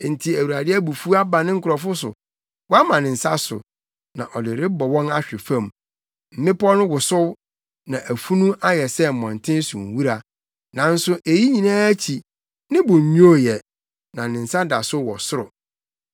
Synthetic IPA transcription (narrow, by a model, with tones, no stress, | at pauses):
n̩˨tʰi˨æ˨wu˨ɾa˨dɪ˦æ˦bu˨fu˦a˦ba˨nɪ̃˦ŋ̩˦kʰʊ˨ɾɔ˨fʊ˦sʊ̰˨ | wɔ˦a˦mã˨nɪ̃˨n̩˨sa˦sʊ̰˨ | nã˨ʔɔ˨dɪ˨ɾɪ˦bɔ˨wɔ̃˦na˦ɕᶣɪ˨fã˦˨m | m̩˦mɪ̃˦pɔ˦nʊ̃˦wʊ˨sʊ˦w | nã˨ʔæ˨fu˦nũ˦ʔa˦jɛ˨sɛ˦m̩˨mɔ̃˨n˨tʰɪ̃˦n˦sʊ̃˨ŋ˨wu˦ɾa˨ | nã˨n̩˦sʊ˦ʔe˨ji˦ɲĩ˨nãː˦æ˦t͡ɕʰi˨ | nɪ̃˦bʊ˨ɲũ˦o˦jɛ˨ | nã˨nɪ̃˨n̩˨sa˦da˨sʊ˦wɔ̰˨sʊ˦ɾʊ˨